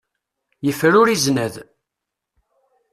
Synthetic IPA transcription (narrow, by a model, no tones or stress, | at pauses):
jəfɾʊɾiznəð